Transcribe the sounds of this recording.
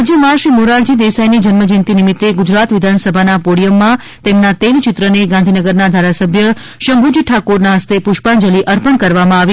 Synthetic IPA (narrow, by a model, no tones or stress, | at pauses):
d͡ʒjəmãʃimuɾaɾd͡ʒid̪esajnid͡ʒənməd͡ʒɪnt̪inimit̪ːeɡud͡ʒɾat̪ʋɪd̪ʱansəbʱanapoɽijəmːã | t̪emnat̪elt͡ʃɪt̪ɾəneɡãnd̪ʱinəɡəɾnad̪ʱaɾasəbʱjə | ʃəmbʱud͡ʒʈʰakoɾnaɦəst̪epʊʃpand͡ʒəliʔəɾpəɳkəɾʋamãaʋi